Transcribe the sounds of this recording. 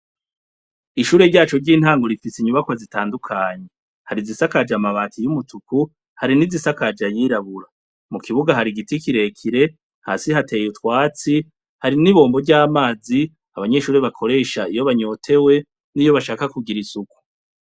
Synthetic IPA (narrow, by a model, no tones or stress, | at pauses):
iʃuːɾe̞ɾɟaːt͡ʃo̞ɾɟiːn̥haːŋɡo̞ɾifisiɲuβakwazitaːndukʰaːɲe̞ | haɾizisakad͡ʒamaβaːtʰijumutuku | haɾinizisakad͡ʒajiːɾaβuɾa | mukiβuɡaɦaɾiɡitikiɾe̞kʰiɾe̞ | ha̰ːsihate̞jutkwaːt͡si | haɾiniβo̞ːmbo̞ɾɟaːmaːzi | aβaɲe̞ʃuːɾe̞βakʰo̞ɾe̞ʃaijo̞βaɲo̞ːtʰe̞we̞ | nijo̞βaʃaːkakuɡiɾisuku̥